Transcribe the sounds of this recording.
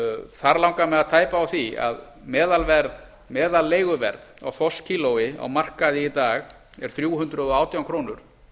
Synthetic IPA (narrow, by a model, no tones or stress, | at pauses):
θaɾlawŋkamɛðaðt̪ʰaːjpaːwθia̰ð | mɛːðalvɛɾð | mɛːðalːeːjɣʏvɛ̰ɾða̰wθɔscʰiːlowɪa̰wmar̥kaðɪit̪aːɣ | ɛɾ̥θɾjuːhʏnt̪ɾʏðɔaːwt̪jawkʰɾoːnʏɾ̥